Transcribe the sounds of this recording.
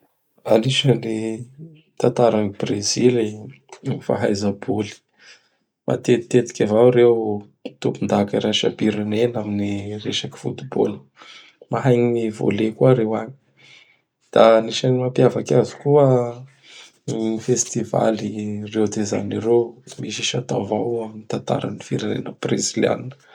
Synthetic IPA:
aniʃəni | t̪ant̪aɾanib̥rezile | nifa̰ɦajzəbuli̥ | ma̰t̪et̪et̪i̥kʲavawɾew | t̪upund̪akaɾaʃa̰biɾinenaminireʃaki̥fṵt̪ubo̰lə | maɦajɲiivo̰lekuəɾewaɲi̥ | d̪̥aniʃanimapjavakazu̥kuə | nifest̪iva̰lirewd̪eza̰niɾemiʃiʃat̪avawaminit̪ant̪a̰ɾa̰nifiɾanḛnəprḛsilia̰ninə

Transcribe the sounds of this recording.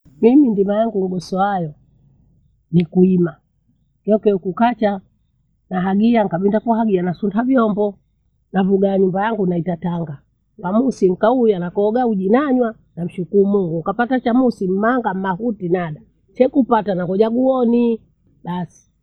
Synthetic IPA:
mimindimajaŋɡuɡɔsɔajɔ | nikuima | kɔkɛukukat͡ʃa | naɦaɡiaŋkaɓindakuaɦaɡianasuntʰavjɔmbɔ | navuɡaɲumbajaŋɡunaitataŋɡa | wamusim̩kaujanakɔɡauʄinaɲwa | nam̩ʃukuumuŋɡukapatat͡ʃamusim̩maŋɡam̩mahutinaɗa | sɛkupatanakɔʄaɡuɔni | ɓasi̥

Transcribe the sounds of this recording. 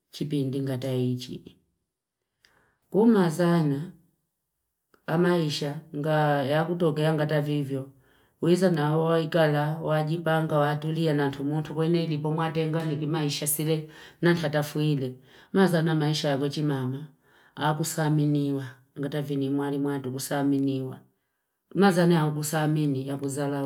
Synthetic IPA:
t͡ʃipindiŋɡatait͡ʃḭ | kumazana | amaiʃaŋɡajakut̬ɔkɛaŋɡatavivjɔ | wizanaɔaikalawaɟipaŋɡawatulianantʰumuntʰukwɛnɛilipɔmwatɛŋɡanikimaiʃasilɛnantatafuilɛmazanamaiʃajakwɛt͡ʃimamaː | k̬usaminiwa | ŋɡatavinimwalimwatukusaminiwa | mazanajauk̬usaminijakuzala

